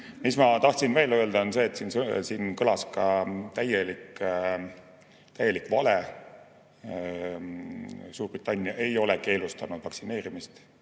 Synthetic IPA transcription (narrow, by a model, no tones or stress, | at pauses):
mismɑt̪ɑht̪sinve̞ːlø̞ld̪̥ɑonse̞ːt̪ːsiːnssiːnkɤlɑskɑt̪æjelik | t̪æjːe̞likːvɑle | suːrb̥rit̪ːˑɑnʲːiɑʔe̞jo̞lɛke̞ːlust̪ɑnud̪̥vɑksine̞ːɾimist̪